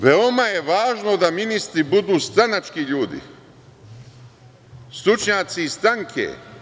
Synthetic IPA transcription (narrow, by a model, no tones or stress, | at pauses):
ʋeomajeʋaːʒno̞d̪aminist̪ɾibud̪uːst̪ɾanat͡ʃkiʎuːd̪ḭ | st̪ɾut͡ʃɲaːt̪siːst̪ɾaŋkʰḛ